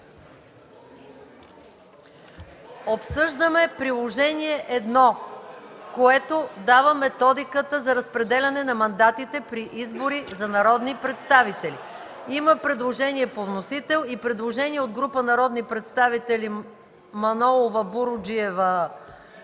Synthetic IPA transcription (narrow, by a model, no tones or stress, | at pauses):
opsɤʒd̪əmɛpɾilˠoʒɛniɛʔɛd̪nɔ | koɛt̪od̪avəmɛt̪ɔd̪ikət̪əzɐɾəspɾɛd̪ɛlʲɐnɛnɐmɐnd̪at̪it̪ɛpɾiʔizboɾizɐnɐɾɔd̪nipɾɛt̪st̪avit̪ɛlḭ | iməpɾɛd̪lˠoʒɛniɛpovnosit̪ɛlˠipɾɛd̪lˠoʒɛniɛod̪ɡɾupənɐɾɔd̪nipɾɛt̪st̪avit̪ɛli | mɐnɔlˠovəbuɾʊd͡ʒiɛvə